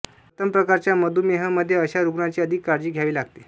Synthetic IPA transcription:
ət̪əmpɾəkaɾt͡ɕjaməd̪ʱumeɦəməd̪ʱjeəɕaɾuɡɳat͡ɕiːəd̪ʱiːkːaɾd͡ʑiːɡʱjaʋiːlaɡ̚t̪e

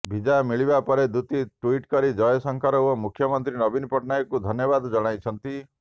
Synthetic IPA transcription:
bʱid͡ʒamiɭibapɔɾed̪ut̪iʈuiʈkɔɾid͡ʒɔjɔsɔŋkʰaɾɔɦuɔmukʰjɔmɔnt̪ɾinɔbinpɔʈnajkud̪ʱɔnjɔbad̪ɔd͡ʒɔɽ̃ajt͡ʃʰɔnt̪i

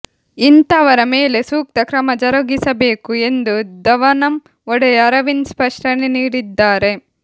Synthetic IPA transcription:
int̪ɐːʋɐɾɐmeːle̞suːk̚t̪ɐkɾɐmɐd͡ʒɐɾɐɡisɐbeːkue̞nd̪ud̪ɐʋɐnɐm | ɔɽejɐɐɾɐʋinspɐʂʈɐneniːɽid̪ːaːɾe̞

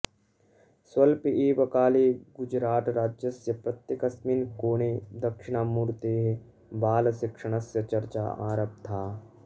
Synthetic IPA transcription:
swɐlpeːʋɐkaːleːɡʊd͡ʒɾaːt̪ɾaːd͡ʒjəsjɐpɾɐt̪jɐkɐsminkoːneːd̪ɐkʃɪñaːmuːɾt̪eːɦe | baːlsɪkʂəɽ̃ɐsjɐt͡ʃɐɾt͡ʃa̰ːa̰ːɾəb̚t̪ʰaː

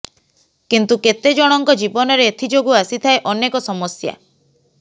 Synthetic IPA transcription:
kint̪uket̪ed͡ʒɔɽ̃ɔŋkɔd͡ʒibɔnɔɾeːt̪ʰid͡ʒoɡuasit̪ʰaeʔɔnekɔsɔmɔsja̰

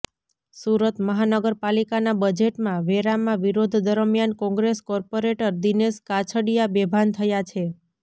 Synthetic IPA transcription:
suɾət̪məɦanəɡəɾpalikanabəd͡ʒeʈmãʋeɾamãʋiɾod̪ʱd̪əɾəmjankɔ̃ŋɡɾeskɔɾpoɾeʈəɾd̪ineskat͡ʃʰəɽijabebʱant̪ʰəjat͡ʃʰe

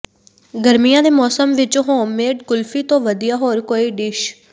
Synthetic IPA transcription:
ɡəɾmɪjãːd̪eːmɔːsəmʋɪt͡ʃːɦõːmeːʈkʊlfʰiːt̪õːʋəd̪ijaːɦoːɾkoːiːɖɪʃ

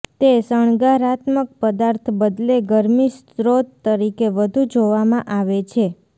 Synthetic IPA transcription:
t̪esəɳ̃ɡaɾat̪mək̚pəd̪aɾt̪ʰbəd̪leɡəɾmistɾot̪ːəɾikeʋəd̪ʱud͡ʒoʋamãʔaʋet͡ʃʰe

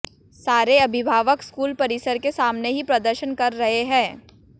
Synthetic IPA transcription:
saːɾeɐbʱɪbʱaːʋəkskuːlpɐɾɪsəɾkesaːmneɦipɾɐd̪əɾʃənkɐɾːɐɦeɦɛ̃ː

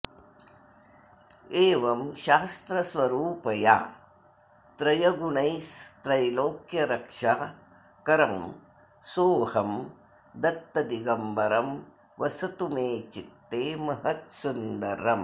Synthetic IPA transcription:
eːʋɐmʃaːst̪ɾɐsʋɐɾuːpɐja̰ː | t̪ɾɐjɐɡuɳɐjst̪ɾɐjloːkjɐɾɐkʂa | kɐɾɐm | soːhɐm | d̪ɐt̪ːɐd̪iɡɐmbɐɾɐm | ʋɐsɐt̪umeːt͡ʃit̪ːeːmɐɦɐt̪sund̪ɐɾɐm

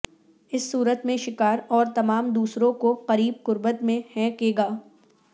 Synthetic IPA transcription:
ɪsːuːɾət̪mẽʃɪkaːɾɔːɾt̪ɐmaːmd̪uːsɾõkoqɐɾiːb̚qʊɾbət̪mẽhɛ̃ːkeːɡaː

